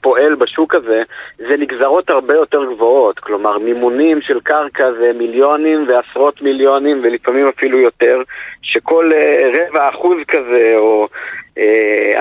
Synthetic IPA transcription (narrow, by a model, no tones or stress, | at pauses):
po̞ʔe̞lbaʃukaze̞zeniɡzaʁo̞thaʁbe̞jo̞te̞ʁɡvo̞otklo̞maʁnimunimʃe̞lkaʁkazemiljo̞nimveasʁo̞t̪miljo̞nimvelifamimafilujo̞te̞ʁʃeko̞leʁe̞vaːχuzkaze̞oḛ